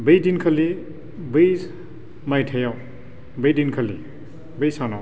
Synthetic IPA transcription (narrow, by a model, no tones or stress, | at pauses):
bəjdinkʰəli | bɯjs | majtʰajaw | bəjdinkʰəli | bəjsanaw